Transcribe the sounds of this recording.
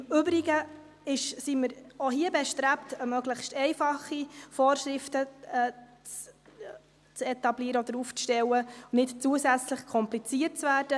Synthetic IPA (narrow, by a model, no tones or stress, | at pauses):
ʏbɾiɡə | ɪʃsiməɾoɦiəbɛʃtɾæptəmœɡləχstɛɪfɑχifoːrʃɾɪftəɛ | t͡s | t͡sɛtɑbliəɾəɔd̥əɾuːft͡sʃtɛwənɪtt͡suəsæt͡sləχkʰɔmplit͡siət̚t͡svæːrd̥ə